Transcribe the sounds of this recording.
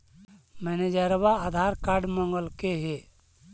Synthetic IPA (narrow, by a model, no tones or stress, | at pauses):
mɛned͡ʒəɾbaad̪ʱaːɾkaːɾɖmɔŋɡəlkeɦe